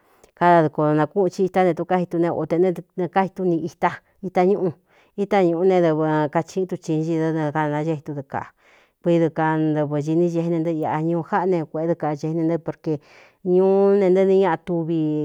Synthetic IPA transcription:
ka˧ða˧ðu˧ko˧nã˧ku˦ʔt͡ʃi˧i˧t̪a˧nẽ˧t̪u˧ka˦hi˧t̪u˧nẽ˧o̰˧t̪e˧nẽ˦˧ñ˧ka˦hi˧t̪u˧nĩ˧i˧t̪a˦ | i˦t̪a˧ɲũ˦ʔũ˧ | i˦t̪a˧ɲũ˧ʔu˧nẽ˧d̪ɨ˧βɨ˧ka˧t͡ʃĩ˧˦t̪u˧t͡ʃĩ˧˦ʒi˧ðɨ˧ñ˧ka˧nã˧˦ʒe˦hi˧t̪u˧ðɨ˧ka̰˨ | kʷi˧˦ðɨ˧ka˧nd̪ɨ˧βɨ˧ʒi˧nĩ˦ʒe˧e˧nẽ˧nd̪ɨ˦˧a˧ʔa˧ɲũː˧ha˦ʔnẽ˧kʷe˧˨e˦ðɨ˧ka˧ʒe˧e˧nẽ˧nd̪ɨ˦po˧ɾke˧ | ɲũː˦nẽ˧nd̪ɨ˦nĩ˧ɲã˦˧ã˧t̪u˧βi˧

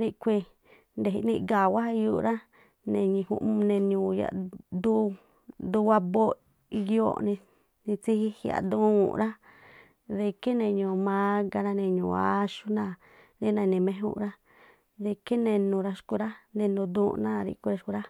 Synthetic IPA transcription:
ɾi˧kʷi˧ | nd̪e˨i˧nĩ˧ɡa˨wa˦˧ju˦˧ɾa˦ | nẽ˧ɲĩ˧˨hṵ˧ʔnẽ˧ɲũː˨ja̰˨d̪u˦˧ | d̪u˧wa˧bo˦ | i˧jo˦˨nĩ˧ | nĩ˧t͡si˦hi˦hja̰˨d̪ũ˦ṵ˨ɾa˦ | ðe˧ke˦nẽ˧ɲũ˨mã˦ɡa˧ɾã˧nẽ˧˨ɲũː˨a˦ʃu˦nã˦˧˨ | ɾi˦nã˧nẽ˨mẽ˧˦ɦṵ˦ʔɾa˦ | ðe˧ke˦nẽ˧nũ˧ɾa˧ʃku˧ɾa˦nẽ˧nũ˧d̪ũː˦˧nã˦˧ɾḭ˦ʔkʷi˧ɾa˧ʃku˧ɾa˦

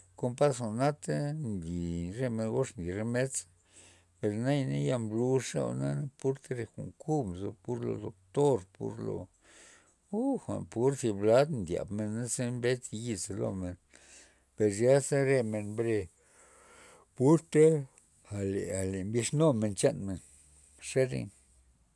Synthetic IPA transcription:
ko˧mpa˦sxʷa˨na˦t̪e˦nd̪i˨ɾe˧me˧nɡo˦ʂnd̪i˨ɾe˧me˦t͡s | pe˨ɾna˦jna˦ja˧mblu˧ʂa̰˦˧na˦na˦pu˦ɾt̪e˦ɾe˧xʷṵ˨ŋku˦bzo̰˧pu˦ɾlo̰˧d̪o˧k̚t̪o˦ɾpṵ˦ɾlo̰˨˧ | u˦xʷa̰˨npu˦ɾsi˧bla˦d̪nd̪ʲja̰˨bme˧nːa˦se˦mbe˦t͡sji˧ze˧lo̰˧me˨n | pe˨ɾja˦se˦ɾe˧me˧nbɾe˧ | pu˦ɾt̪e˦ | a˨lḛ˨a˨le˨mbi˧ʂno˦me˧nt͡ʃa˦nme˨n | ʂe˦ɾḛ˧

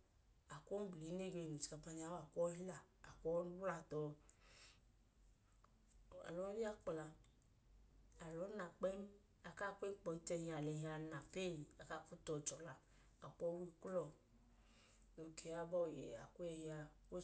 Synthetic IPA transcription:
a˨ko˦n˦bli˨˦ne˦˨ɡe˨nu˨t͡ʃi̥˨a˨pa˧ɲ˨a˨˦a˨kɔ˦hi˦laː˦˨kɔ˦n˦wla˧tɔ˨ | a̰˨lɔ˨˦i˦a˦k͡pla˨ | a˨lɔ˨˦na˨k͡pɛ˦n˦ | a˨ka˦˨kʷe˦k͡pɔ˧i˦tɛ˧ha˨lɛ˨ɦa˨na˨pe˦˨i˨a˨ka˦˨fu˦tɔ˨t͡ʃɔ˨la˨ | a˨k͡pɔ˦wi˦klɔ˦˨ | no˨kʰe˨a˦bɔ˦˨jɛ̰˨a̰˨ku˦ɛ˧ji˦a˧wo˦

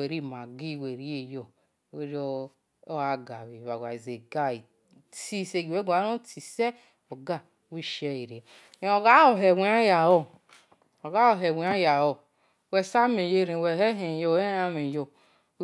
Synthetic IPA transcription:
e˨ɾi˦˨ma˨ɡi˦˨we˨ɾi˦e˨jo˨ | we˦ɾo˦ | o˦a˨ɡa˨βi˨βa˨wa˨i˨ze˨ɡa˦i˨ | ti˦se˦˨ɡi˨we˦ɡa˨˦o˦ti˨se˦ | o˨ɡa˨˦wi˦˨ʃe˦i˨ɾe˨ | o˨ɡa˦o˨ɦe˨wi˨˦a˦ja˨wo˦ | o˨ɡa˦o˨ɦe˨wi˨˦a˦ja˨wo˨ | wɛ˨sa˦me˨je˦˨ɾe˨we˨he˦ɦe˨jo˦˨˦e˦a˦me˨jo˨

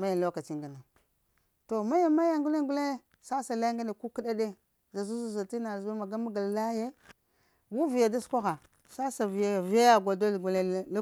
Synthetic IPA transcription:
ma˦ja˨lo˦ka˨t͡ʃi˦ŋɡa˨na˨ | to˨ma˦ja˨ma˦ja˦ŋɡu˦le˦ɡu˦le˦ | sa˦sa˨la˦ŋɡa˦ne˨ku˦ki˦ɗa˦de˦ | za˨zu˦zu˦˨za˨ti˦na˨zba˦ma˨ɡa˦ma˦ɡa˨lla˦je˦ | wu˦vi˨ja˨da˦skʷa˦xa˨ | sa˦sa˨vi˨ja˦˨vi˦ja˦ja˨ɡʷa˨do˦˨ɡu˨le˦l

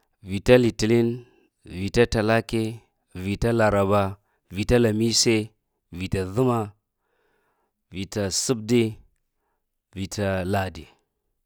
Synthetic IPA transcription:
vi˨ta˦li˨ti˨li˦n | vi˨ta˦ta˨la˦ke˦ | vi˨ta˦la˨ɾa˨ba˦ | vi˨ta˦la˨mi˦se˦ | vi˨ta˨ðu˦ma˦ | vi˨ta˨su˦b̚di˦ | vi˨tʰa˦la˨di˨

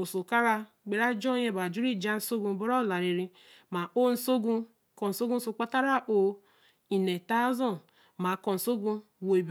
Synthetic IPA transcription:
o˨so˨ka˦ɾa˦ | ɡ͡be˨ɾa˦d͡ʒɔ˦je˦ba˨d͡ʒu˦ɾi˦˨d͡ʒa˦n̩˦so˦ɡũ˦˨bo˦ɾɔ˦˨la˨ɾe˨ɾi˦ | ma˨ʔo˦n̩˦so˦ɡũ˦ | kɔ˨n̩˨so˦ɡu˦so˦k͡pa˦ta˦ɾa˦ʔo˨ | i˨ne˨ta˦zɔ˦˨n | ma˨kɔ˨n̩˨so˦ɡũ˦ | wo˨e˨b

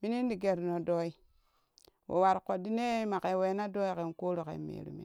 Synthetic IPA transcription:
mi˦ni˦n˦di˨ɡe˨ɾno˨do˦i˦ | wo̰˨wa˨ɾko˨di˦ne˦ma˨ke˨we˨˦na˦do˦i˦ke˨nko˦ɾo˨kḛ˨mḛː˨ɾṵ˨mḭ˦

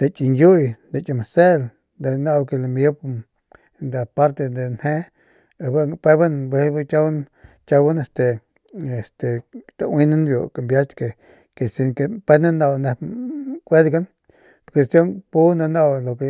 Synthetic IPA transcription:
d̪e˨t͡ʃi˧˨nju˦jd̪e˨t͡ʃi˧˨ma˨se˦l | d̪e˨na˧wke˧la˨mje˦p | nd̪a˨pa˦ɾt̪e˧d̪e˨nhe˦ | e˨ba˦ŋpe˦ba˦nbʷe˧˦ba˦t͡ʃa˦wn | t͡ʃa˧wa˦ne˧˨st̪e˨ | e˨st̪e˨t̪a˨wi˦na˦nbjo̰˨ka˨mbja˦t͡ʃke˨ | ke˨si˧ŋke˨pe˦na˦na˨wne˧kʷe˦d̪ɡa˦n | po˨ɾke˨sjo˦ŋpu˦na˧na˧wlo˨ke˨

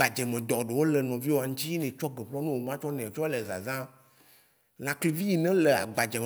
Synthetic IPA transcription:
a˨d͡ʒɛ˨mɛ̃˨d̪ɔ˨ɖe˨wo˦lɛ˨nɔ̃˨vi˦wo˨a˨ŋ̩ũ˦t͡ɕi˦nɛ̃˨t͡ʃɔ˦ɡɛ˨ɸlɔ˦nũ˦wo˨mã˦t͡ʃɔ˦nɛ̃˨t͡ʃɔ˦e˦lɛ˨za̰˨zã˦ | lã˨kli˨vi˦i˨nɛ̃˦lɛ˨a̰˨ɡ͡ba˨d͡ʒe˨m

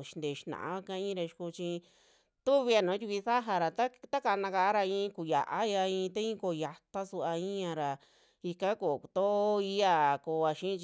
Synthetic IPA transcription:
ʃi̥˧nd̪e˨ʃi˧˦nã̰˨ʔã̰˧˦a˦˧kã˦ĩ˦˧ɾa˧ʃi̥˧ku˧t͡ʃi˧ | t̪u˦βi˧a˧nõ˨˦t̪ʲu˧kʷi˧θa˦ɦa˧ɾa˨t̪a˦t̪a˦ka˧nã˧ka˧a˦ɾa˧ĩ˧ku˨ja̰˨ʔa˦ja˧ĩ˧t̪a˦ĩː˦ko˧˨ja˧t̪a˦su˧a˧ĩ˦ã˧ɾa˨ | i˧kã˦ko˨t̪o˦i˧˦a˧˨ko˧a˧ʃĩ˦˧t͡ʃ

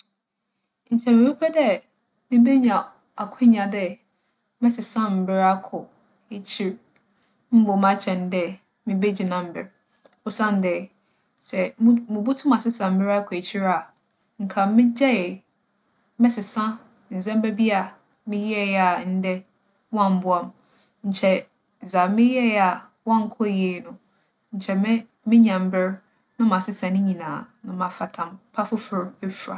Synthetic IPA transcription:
ɲ̩˨t͡ɕʰɛ˨mɪ̃˨e˦pʰɛ˦dɛ˦ | mĩ˦be˦ɲã˨ | a˨kʰʊ̃˦ɲã˨dɛ˦ | mɛ̃˦sɪ˨sã˦m̩˨bɪ˦ɾa˦kʰʊ˨ | e˨t͡ɕʰi˦ɾ | m̩˦bɔ˨m˦ã˦t͡ɕʰɛ̃˨n˦dɛ˦ | mĩ˨be˦d͡ʑi˨nã˨m̩˨bɪ˨ɾ | ʊ˨sã˦n˦dɛ˨ | sɛ˨˦mʊ̃˨bu˦tʰʊ̃˦ma˨sɪ˦sã˨m̩˨bɪ˦ɾa˦kʰʊ˨e˨t͡ɕʰi˦ɾa˨ | ŋ̩˨kʰã˨mɪ̃˦d͡ʑɛ˦˨ | mɛ̃˦sɪ˨sã˦ | n̩˨zɛ̃˦m̩˦bæ˦bi˦a˨ | mɪ̃˦jɛ˦ja˨n̩˦dɛ˦ | wɔ̃˦m̩˨bʊ˦a˨m | ɲ̩˨t͡ɕʰɛ˨ | za˨mɪ̃˦jɛ˦a˨ | wɔ̃˦˨ŋ˨kʰɔ˦je˨nʊ̃˨ | ɲ̩˨t͡ɕʰɛ˨m˦ | mɪ̃˦ɲã˨m˨bɪ˦ɾ | nʊ̃˦mã˨sɪ˦sã˨nɪ̃˦ɲĩ˨nãː˨nʊ̃˨mã˨fa˨tʰã˨mpʰa˦fʊ˦fʊ˨ɾɛ˦fa̰˨

